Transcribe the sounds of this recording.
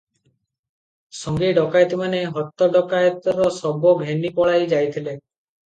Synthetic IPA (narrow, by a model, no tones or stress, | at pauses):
sɔŋɡeɖɔkajt̪imaneɦɔt̪ːɔɖɔkajt̪ɔɾɔsɔboɡʱenipɔɽajd͡ʒajt̪ʰile